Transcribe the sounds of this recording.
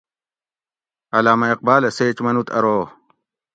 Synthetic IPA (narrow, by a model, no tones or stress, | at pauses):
ɐlaːmɐiq̚baːleseːt͡ɕmɐnut̪ɐ̰ɾoː